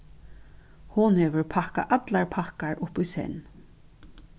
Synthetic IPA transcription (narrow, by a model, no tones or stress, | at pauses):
hʊnhɛːʋəɹpʰahka̰ʔat̪laɹpʰahkaɹʔʊpujsɛ̰nː